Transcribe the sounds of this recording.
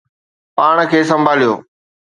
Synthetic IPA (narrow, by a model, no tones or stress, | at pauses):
paːɽ̃kʰeːs̬ɐ̃mbʱaːlijo̰ː